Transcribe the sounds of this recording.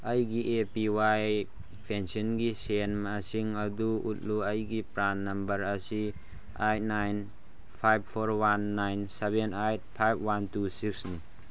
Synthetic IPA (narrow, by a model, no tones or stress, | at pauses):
ɐjɡiʔepiwaj | pʰensinɡisenmasiŋɐduṵt̚luɐjɡipɾanːɐmbɐɾɐsi | ajt̚najn | pʰajb̚pʰoɾwanːajnsebenajt̚pʰajb̚ʰwantusik̚sni